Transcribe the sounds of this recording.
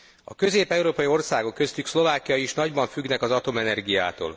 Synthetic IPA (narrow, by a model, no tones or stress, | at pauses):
ɒ̰kø̞zeːpɛuɾoːpɒjio̞rsaːɡo̞kːø̞st̪ykslo̞vaːkijɒjiʃnɒɟbɒɱfyɡnɛkɒzɒt̪o̞mɛnɛrɡija̰ːt̪o̰ːl